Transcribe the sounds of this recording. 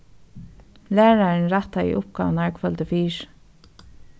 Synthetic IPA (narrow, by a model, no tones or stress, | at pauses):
læːɹaɹnɾɑt̪aḭːʔʊp̚ɡɑ̰naɹkfœlt̪əfiːɹ